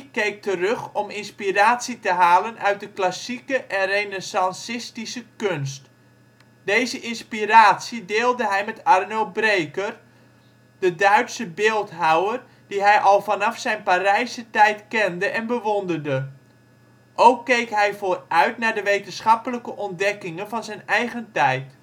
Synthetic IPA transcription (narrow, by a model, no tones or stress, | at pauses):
kejk̚tərøχɔmɪnspiraːtsitəɦaːlənʔœɥt̚dəklasikəʔɛnrejnesɑnsɪstisəkønst | d̥ejzəʔɪnspiraːtsidɪːlˠdəɦɛjmɛtarnølˠbrejkər | d̥ədœɥtsəbɪːlˠtɦawər | d̥iɦɛjʔɑlˠvɑnɑfsɛjnparɛjsətɛjtkɛndəʔɛnbəʋondərdə | ʔowkːejkɦɛjvoːrœɥtnaːɹdəʋejtənsχɑpələkəʔɔndɛkɪŋənvɑnzɛjnɛjχəntɛjt